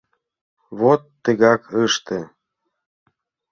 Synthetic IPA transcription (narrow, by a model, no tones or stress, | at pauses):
βot̪ːə̆ɣɑkɤʃt̪e